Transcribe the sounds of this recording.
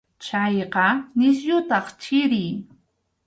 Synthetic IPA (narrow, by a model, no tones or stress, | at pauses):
t͡ʃɑjqɑnɪs̬jʊt̪ɑχt͡ʃɪɾɪj